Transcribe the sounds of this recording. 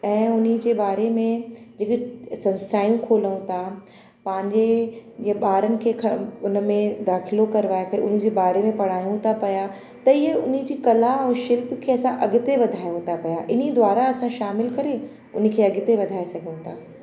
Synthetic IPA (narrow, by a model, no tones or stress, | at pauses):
ɛ̃ːʊnĭd͡ʑeːbaːɾemẽd͡ʑeːksɐ̃nsaːjũkʰoːləũt̪ʰa | pɐ̃ɦɪ̃ɲd͡ʑe | ɓaːɾənɪ̆kʰeːkʰɐʊn̆mẽd̪aːxɪlokɐɾɪʋaːjekʰɐḛʔʊnɪ̆d͡ʑeːbaːɾemẽpɐɽ̤aːjũt̪ʰapɐja | t̪ɐɪjəʊnɪ̆d͡ʑiːkɐlaɛ̃ːʃɪlpkʰeːɐsãʔɐɡɪt̪eʋɐd̪ʱaːjũt̪ʰapɐjaʔɪnid̪ʋaːɾaɐsãʃaːmɪlkɐɾe | ʊn̆kʰeːɐɡɪt̪eʋɐd̪ʱaːesɐɡʱiũt̪ʰaː